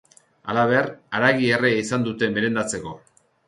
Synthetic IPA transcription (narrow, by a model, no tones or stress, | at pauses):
a̰laβe̞raɾaɣiereisand̪ut̪e̞me̞ɾe̞nd̪at͡se̞ko̞